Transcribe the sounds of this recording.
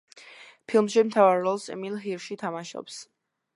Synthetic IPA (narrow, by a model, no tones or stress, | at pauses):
pʰilˠmʃimt̪ʰavaɾːɔlˠsɛ̰milˠɦiɾʃit̪ʰamaʃɔ̰ps